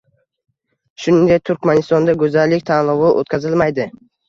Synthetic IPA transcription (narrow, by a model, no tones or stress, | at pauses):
ʃʊnɪŋd̪ejt̪ʰʊɾkʲmanɪst̪ɒnd̪aɡɵzalːɪk̚ʲt̪ʰalˠɪʁʊʔo̰t̪kʲʰazɪlmajd̪ɪ